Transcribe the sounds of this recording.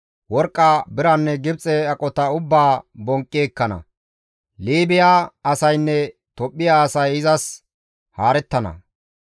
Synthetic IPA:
wɔɾkʼːaːbɪɾɐnːɛɡɪbt͡sʼɛɐkʼɔt̪ɐʊbːaːbɔŋkʼːeːkːɐnɐ̰ | liːbɪjaːɐsɐjnːɛt̪ɔpʼːɪjaːsɐjɪzɐs | haːɾɛt̪ːɐnɐ̰

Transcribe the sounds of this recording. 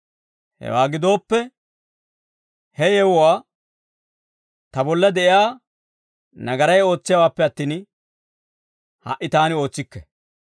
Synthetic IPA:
hɛ̰waːɡɪd̪o̞ːpːɛ | hɛjɛwɔwaː | t̪ɐbɔlːɐd̪ɛʔɪjaː | nɐɡɐɾɐjo̞ːt͡sːɪjɐwaːpːɛɐt̪ːiːn | hɐ̰ʔːɪt̪aːnɪo̞ːt͡sːɪkːɛ

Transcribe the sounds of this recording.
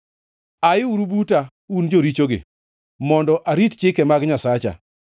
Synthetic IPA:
ajɪuɾubuta | und͡ʒoɾit͡ʃoɡɪ̰ | mɔndɔʔaɾitt͡ʃɪkɛmaɡɲasat͡ʃa̰

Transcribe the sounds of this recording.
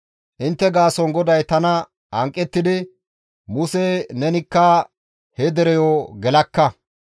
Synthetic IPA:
ʔɪnt̪ːɛɡaːsɔnɡɔd̪ɐjt̪ɐnɐ | ɐŋkʼːɛt̪ːɪd̪ɪ | mʊsenɛnɪkːɐ | hɛd̪ɛɾɛjɔːɡɛlɐkːɐ

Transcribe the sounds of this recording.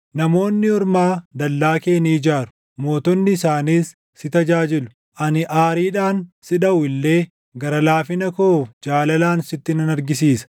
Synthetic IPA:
nɐmo̞ːnːɪɔɾmaːd̪ɐlːaːke̞ːniːd͡ʒaːɾʊ̥ | mo̞ːt̪ɔnːɪːsaːniːsː | ɪt̪ɐd͡ʒaːd͡ʒɪlʊ̥ | ʔɐnɪʔaːɾiːᶑaːnsɪᶑɐʊɪlːe̞ː | ɡɐɾɐlaːfɪnɐkoːd͡ʒaːlɐlaːnsɪt̪ːɪnɐnɐɾɡɪs̬iːsɐ̥

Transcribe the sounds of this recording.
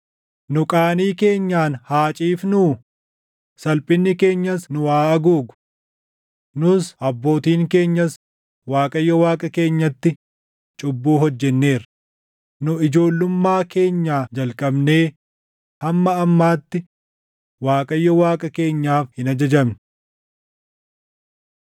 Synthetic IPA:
nʊkʼaːniːke̞ːɲːaːnhaːt͡ʃʼiːfnuː | sɐlpʼɪnːɪke̞ːɲːɐsnʊwaːʔɐɡuːɡʊ̥ | nʊsɐbːo̞ːt̪iːŋke̞ːɲːɐs | waːkʼɐjːɔwaːkʼɐke̞ːɲːɐt̪ːɪ | t͡ʃʼʊbːuːɦɔd͡ʒːɛnːe̞ːɾ | nʊɪd͡ʒo̞ːlːʊmːaːke̞ːɲːaːd͡ʒɐlkʼɐbne̞ː | hɐmːɐɐmːaːt̪ːɪ | waːkʼɐjːɔwaːkʼɐke̞ːɲːaːfhɪnɐd͡ʒɐd͡ʒɐmnɪ̥

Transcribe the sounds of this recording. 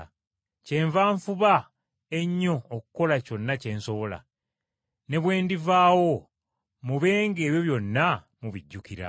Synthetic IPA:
ce̞ːɱvaːɱfuβa | e̞ɲːo̞ːkuko̞laco̞nːace̞ːnso̞βo̞la̰ | ne̞βwe̞ːndivaːwo̞ | muβe̞ːŋɡe̞ːβjo̞βjo̞nːa | muβiɟːukiɾa̰

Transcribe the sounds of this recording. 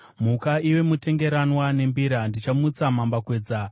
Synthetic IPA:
mukaiwe̞mute̞ŋɡe̞ɾanwane̞mbiɾandit͡ʃamut͡samambakwe̞ːd͡za

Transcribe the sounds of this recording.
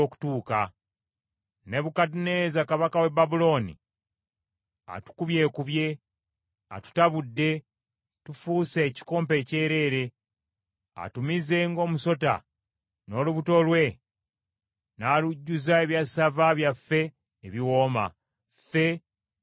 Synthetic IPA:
oku̥tuːka | ne̞βukatine̞zakaβakawe̞babulo̞nḭ | a̰tu̥kuβje̞ːkuβje̞ | a̰tu̥taβudːe̞ | tufuːse̞ːci̥ko̞ːmpe̞ce̞ːɾe̞ːɾe̞ | a̰tumize̞ŋɡo̞ːmuso̞ta̰ | no̞ːluβuto̞lwe̞ | naːluɟːuzae̞βjasavaβjafːe̞ː | βiwo̞ːma̰ | fe̞

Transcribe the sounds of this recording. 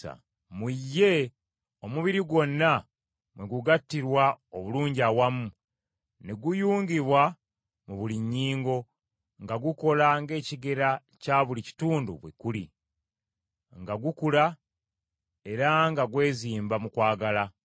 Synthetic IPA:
a̰ | mujːe̞ | omuβiɾiɡo̞nːa | mwe̞ɡuɡatːiɾwaoβuluːɲɟiawamu | neɡujuːŋɡiβwa | muβuliɲːiːŋɡo̞ | ŋɡaɡuko̞laŋɡe̞ːciɡe̞ɾa | caβulici̥tuːndṵβwekulḭ | ŋɡaɡukula | e̞ɾaŋɡaɡwe̞ːziːmbamukwaːɡala

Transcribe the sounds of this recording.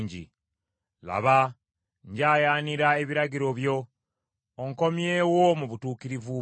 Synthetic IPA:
ɲɟḭ | la̰βa | ɲɟaːjaːniɾae̞βiɾaɟiɾo̞βjo̞ː | ŋko̞mjeːwomuβutuːkiɾivu

